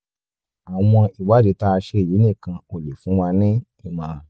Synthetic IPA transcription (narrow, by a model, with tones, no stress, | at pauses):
a˨w̃ɔ̃˧i˨wa˨˦d͡ʒe˨˦ta˦˧ʃe˧˦˨ji˨˦nĩ˦˨kã˧o˨le˨fũ˨˦wa˧nĩ˦ | ĩ˨mã˨